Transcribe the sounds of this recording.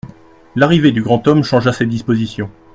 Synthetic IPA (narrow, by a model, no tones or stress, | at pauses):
laʁived̪yɡʁɑ̃t̪ɔmʃɑ̃ʒased̪ispozisjɔ̃